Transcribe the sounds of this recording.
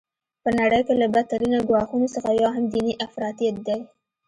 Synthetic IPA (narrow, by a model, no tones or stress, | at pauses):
pənaɽəjkelabat̪aɾinaɡwɑxunosəxajɑɦamd̪iniʔafɾɑt̪ijat̪̚d̪aj